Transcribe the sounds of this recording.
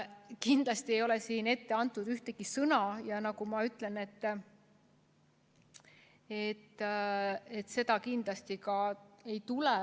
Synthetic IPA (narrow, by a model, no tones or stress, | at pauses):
kind̪̥lɑst̪iejo̞lesiːne̞t̪ːe̞ɑnt̪ˑːud̪̥yht̪e̞ɡ̥isɤnɑjɑnɑkumɑyt̪ːˑle̞ne̞t̪ː | e̞t̪ː | e̞t̪ːˑse̞d̪̥ɑkind̪̥lɑst̪ikɑe̞jt̪ule